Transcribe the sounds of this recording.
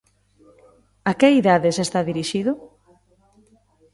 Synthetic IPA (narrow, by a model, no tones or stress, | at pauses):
akeiðaðesest̪aðiɾiʃiðʊ